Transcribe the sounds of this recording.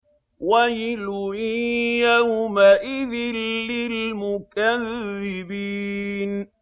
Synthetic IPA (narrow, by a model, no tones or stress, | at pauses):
wajiluijaʊmaʔɪðɪlːɪlmʊkaðɪbiːn